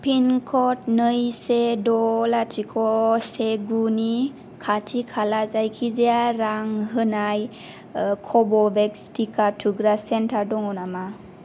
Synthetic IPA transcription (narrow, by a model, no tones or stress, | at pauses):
pʰinkʰɔtnɯjsedɔlatʰikʰɔseɡuni | kʰatʰikʰalazajkʰizeaɾaŋɦɯnaj | kʰɔbɔbekstʰikatʰuɡɾasentʰaɾdɔŋɔnama